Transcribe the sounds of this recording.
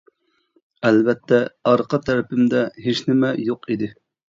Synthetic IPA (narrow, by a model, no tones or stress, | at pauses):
ɛlvɛt̪ʰːɛɑɾqɑt̪ʰɛɾɪpɪmd̪ɛɦeʃnɪmɛjoqʰid̪ɪ